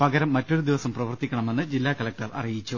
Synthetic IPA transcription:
pɐɡɐɾɐmːɐtːo̞ɾud̪iʋɐsɐmprɐʋɐrt̪ːikʲːɐɳɐme̞nːɨd͡ʑilːaːkɐlɐk̚ʈɐrʔɐ̰rijit͡ɕːu

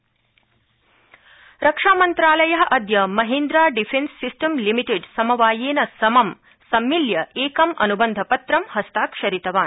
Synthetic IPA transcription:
ɾɐkʂaːmɐnt̪ɾaːlɐjɐɦɐʔɐd̪jɐmɐɦend̪ɾaːɖifʰensːisʈɐmlimiʈeɖsɐmɐʋaːjeːnɐsɐmɐm | sɐmːiljɐʔeːkɐmɐ̰nubɐnd̪ʱɐpɐt̪ɾɐmhɐst̪aːkʃɐɾit̪ɐʋaːn

